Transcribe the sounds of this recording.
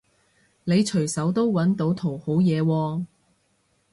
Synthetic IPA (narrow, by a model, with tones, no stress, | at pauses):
ne˨˧jt͡ʃʰɵ˨˩ɥsɐ˨˥wt̪o˥wwɐ˨˥nt̪o˨˥wt̪ʰo˨˩who˨˥wjɛː˨˧wɔː˧